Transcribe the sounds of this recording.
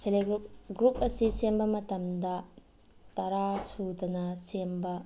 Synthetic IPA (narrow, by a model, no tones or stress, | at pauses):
seleɡɾup̚ɡɾup̚ɐsisembɐmɐtɐmdɐ | tɐɾasudɐnɐsembɐ